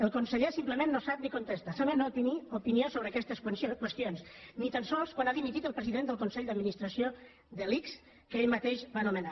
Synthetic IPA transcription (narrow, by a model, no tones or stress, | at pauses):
əlˠkunsəʎesimpləmenːosap̚nikunt̪est̪əsaβənopiniupinijosoβɾəːkɛst̪əsokwəst̪ionsnit̪ənsɔlˠskwanaðimit̪it̪əlˠpɾəziðend̪əlˠkunsɛʎd̪əd̪minist̪ɾəsio | ðəliks | kəeʎmat̪eʃbanuməna